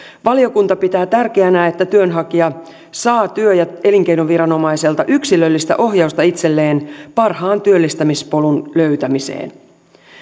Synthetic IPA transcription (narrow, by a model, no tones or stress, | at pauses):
ʋɑlio̞kunt̪ɑpit̪æːt̪ærkeænæːe̞t̪ːæt̪yønɦɑkiɑ | sɑːt̪yøjɑe̞liŋk̟e̞jnoʋʋiɾɑno̞mɑise̞lt̪ɑʔyksilø̞lːist̪æ̰ʔo̞ɦjɑust̪ɑit̪selːe̞ːnpɑrhɑːnt̪yølːist̪æmispo̞lunløɥt̪æmise̞̰ːn